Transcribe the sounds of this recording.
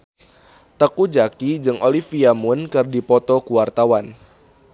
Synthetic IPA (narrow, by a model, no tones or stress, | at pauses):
t̪əkud͡ʒakid͡ʒɨŋʔolifiamʊnkɨrdipɔt̪ɔkuwart̪awan